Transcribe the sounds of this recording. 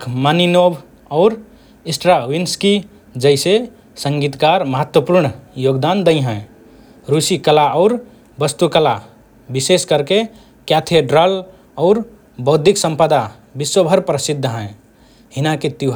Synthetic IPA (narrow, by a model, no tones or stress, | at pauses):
kʰmaninobʱ | ɔʊɾ | isʈɾawinski | d͡ʒəɪse | səŋɡit̪kaɾməɦət̪wəpuɾɳjoɡd̪and̪əĩɦə̃ | ɾusikəlaɔʊɾ | bəst̪ukəla | biseskəɾke | kjat̪ʰeɖɾəl | ɔʊɾ | bəʊd̪ʱiksə̃mpəd̪a | biswəbʱəɾpɾəsid̪ʱːəɦɛ̃e | hinaket̪iɦ